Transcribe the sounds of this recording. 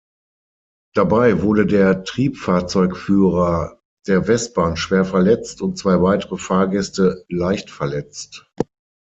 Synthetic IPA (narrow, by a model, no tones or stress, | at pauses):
d̥abaɪvʊɐdədeːɐtʁ̥iːpfaːɐt͡sɔʏkfyːʁɐ | d̥eːɐvɛst̚b̥aːnʃv̥eːɐfɛɐlɛt͡stʊnt̚t͡sv̥aɪvaɪtəʁəfaːɐɡɛstəlaɪçtfɛɐlɛt͡st